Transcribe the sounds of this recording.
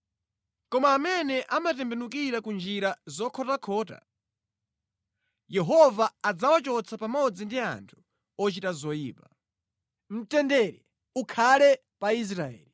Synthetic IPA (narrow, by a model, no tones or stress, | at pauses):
kɔmaːmɛnɛʔamatɛmbɛnukiɾakund͡ʒiɾazɔkʰɔtakʰɔːta̰ | jɛɦɔvaːd͡zawat͡ʃɔt͡sʰapamɔd͡zindia̰ntʰu̥ | ɔt͡ʃitazɔjḭːpa | m̩tɛndɛɾɛ | ukʰalɛ | pais̬ɾaɛ̰ːli